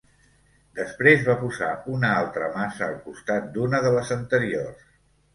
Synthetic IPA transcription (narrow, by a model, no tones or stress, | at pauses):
d̪əspɾezβapuza̰unəalˠt̪ɾəmasəːlˠkust̪at̪̚d̪unəðələzənt̪əɾiors